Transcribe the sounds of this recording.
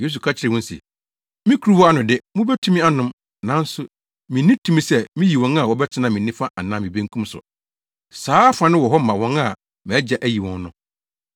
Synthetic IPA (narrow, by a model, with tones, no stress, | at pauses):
je˦s̬u˨kʰa˦t͡ɕʰɪ˨ɾɪ˨wɔ̃˦n˦sḭ˨ | mĩ˦kʰu˨ɾu˦wɔ˦a˦nʊ̃˨dɪ˦mʊ̃˦bɛ˦tʰũ˦mĩ˦a˦nʊ̃˦m | nã˦n̩˦sʊ˦ | mĩ˨nĩ˦tʰũ˦mĩ˨sɛ˦mĩ˦ji˨wɔ̃˦na˦˨wɔ˨bɛ˦t͡ɕʰɪ˦nã˨mĩ˨nĩ˦fa˦ʔa˨nã˦mĩ˨bẽ˦ŋkʰũ˦msʊ̰˨ | saː˨˦fã˨nɪ̃˦wɔ˨ɦɔ˦m̩˦mã˨wɔ̃˦ŋa˨ | m̃˨ɛ˦d͡ʑa˨ʔæ˦ji˨wɔ̰̃˨nː˦ʊ̃˨˦